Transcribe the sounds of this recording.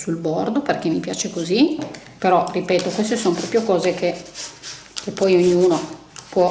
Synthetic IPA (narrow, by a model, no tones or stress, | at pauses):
sulbord̪operkemːipja̰ːt͡ʃekozi | peɾɔripeːt̪okwest̪esompɾɔpjokɔːzekʰe | kepːɔjoɲːuːno | pwɔ